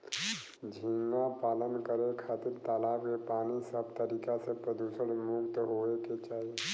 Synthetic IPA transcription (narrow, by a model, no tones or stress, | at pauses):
d͡ʒʱĩŋɡapaːlənkəɾekʰaːt̪ɪɾt̪aːlaːbkepaːnisəb̚t̪əɾiːkasepɾəd̪uːsəɽmʊɡt̪ɦoeket͡ʃaːɦie